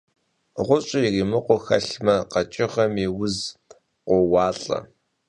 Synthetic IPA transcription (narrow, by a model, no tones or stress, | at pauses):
ʁʷʊɕʼɪiriːmɨqʷɔxɐɬmɐqɐt͡ʃʼɪχɐmiwʊz | qʷɔwɑːɬʼɐ̰